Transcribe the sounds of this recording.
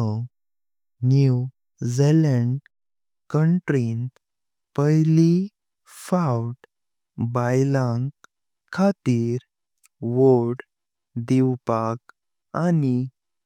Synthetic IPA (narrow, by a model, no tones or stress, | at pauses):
nuw | zeləɳɖ | kəɳʈɾint̪ | pəjli | fawʈ | bajlãŋɡ | kʰːat̪iːɾ | ʋoɽ | d̪iwpak | ani